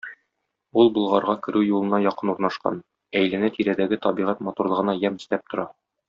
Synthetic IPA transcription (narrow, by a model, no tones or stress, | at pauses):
ulˠbŏlˠʁɑɾʁɑkɘ̆ɾʉwjulˠɤ̆nɑjɒqɤnuɾnɑʃqɑ̰n | æjlɘ̆næt̪iɾæd̪æɡɘt̪ɒbiʁæt̪mɒt̪uɾlˠɤ̆ʁɤ̆nɑjæmɘ̆st̪æp̚t̪ŏɾɑ